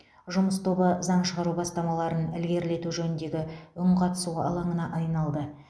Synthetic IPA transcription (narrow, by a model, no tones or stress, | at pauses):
ʒʊməst̪ʰo̞bəzɑɴʃəʁɑɾubɑst̪ɑmɑlˠɑɾənɪlɡʲe̞ɾle̞t̪uʒɵnɪnd̪e̞ɡʲɪʏɴqʰɑt̪ə̥suʁɑɑ̰lˠɑɴənɑʔɑjnɑlˠd̪ə